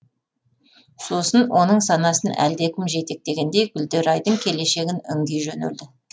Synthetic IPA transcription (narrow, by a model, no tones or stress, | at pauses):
so̞sənwʔo̞nəɴsɑnɑsənʔæ̰ld̪ekʲʰɪmʒe̞t̪ek̚d̪e̞ɡʲe̞nd̪e̞jɡʲʏld̪e̞ɾɑjd̪əɴkʲʰe̞le̞ʃe̞ɡʲɪnʏŋɡʲejʒɵn̰ld̪ɪ